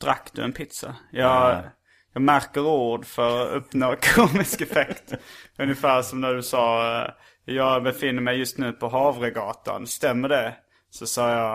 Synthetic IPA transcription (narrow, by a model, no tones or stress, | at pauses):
d̪̥ɾa̰kːd̪̥ɵ̰ɛnpʰɪt̪sa̰jɑːɡ | jɑːɡmæɾkəɾuːɖfœɾɔɵpnoːkʰuːmɪskɛfɛkt̪ɵnjɪfæːɾʂɔmnæɖɵsɑː | jɑːɡbɛfɪnːəɾmɛjːɵst̪nʉ̟ːpʰɔɦɑːvɾeɡɑːt̪a̰nst̪ɛmːəɖɛ | sɔsɑːjɑ